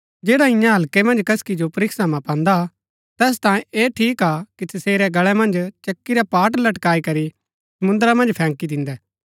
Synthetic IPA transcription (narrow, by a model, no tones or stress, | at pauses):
d͡ʒeːɽaɪ̃jãɦɐlkɛmɐ̃nd͡ʒkɐskid͡ʒopɐɾɪkʰsamãpãːnd̪a | t̪ɛːs̬t̪ãːẽeːʈʰiːkakisɐseːɾɛɡɐɭɛmɐ̃nd͡ʒt͡ʃɐkːiɾɛpaːʈ̬lɐʈkaːikɐɾi | sɐmʊ̃nd̪ɾamɐ̃nd͡ʒpʰɛ̃ːŋkid̪ɪ̃nd̪ɛː